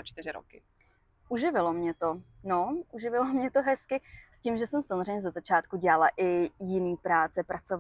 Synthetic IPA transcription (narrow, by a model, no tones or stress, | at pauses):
at͡ʃt̪ɪɾɪɾo̰kɪ | ʔuʒɪvɪlomɲɛt̪onoʔuʒɪvɪlomɲɛt̪oɦɛskɪsciːmʒɛsɛmsamozr̝ejɲɛzazat͡ʃaːt̪kuɟɛlalaʔɪjɪniːpɾaːt͡sɛpɾat͡sov